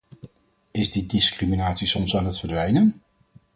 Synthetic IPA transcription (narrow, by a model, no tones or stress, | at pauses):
ɪzdidɪskriminaːtsisɔmsaːnətfəɹdʋɛjnən